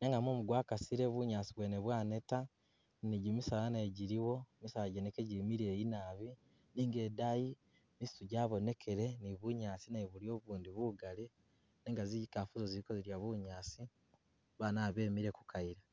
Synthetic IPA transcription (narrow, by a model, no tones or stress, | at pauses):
neŋɡamomuɡwaːkasiɾeβuɲaːsiβweːneβwaːne̞ta | niɟumisalaneɟiɾiwo̞misalaɟenekeɟiɾimiɾeːinaːβi | niːŋɡe̞daji | mistuɟaːβo̞ne̞kʰe̞ɾe̞niβuɲaːt͡sinaiβulio̞βuːndiβuɡali | neŋɡaziɟikafuzoziɾikoziɾjaβuɲaːsi | βaːnaːβeːmiɾeku̥kaiɾa